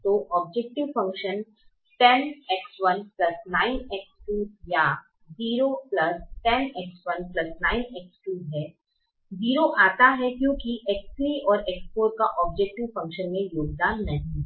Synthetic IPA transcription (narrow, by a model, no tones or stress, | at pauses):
t̪oːʔɔːb̚d͡ʒɛk̚ʈɪʋfɐ̃ŋkʃən | ʈɛnɛksʋɐnplɐsnaːɪnɛksʈuːja | ziːɾoplɐsʈɛnɛksʋɐnplɐsnaːɪnɛksʈuːɦɛː | ziːɾoʔaːt̪aɦɛkjõːkiʔɛksɾiʔɔːɾɛksfoːɾkaʔɔːb̚d͡ʒɛk̚ʈɪʋfɐ̃ŋkʃənmẽjoːɡ̚d̪anɐɦĩ